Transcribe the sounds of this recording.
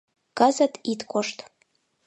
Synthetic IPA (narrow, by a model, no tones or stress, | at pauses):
kɑzət̪it̪koʃt̪